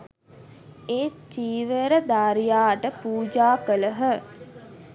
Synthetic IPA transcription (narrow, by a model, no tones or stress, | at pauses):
eːt̪iːʋəɾəd̪aːɾijaːʈəpuːd͡ʒaːkələɦə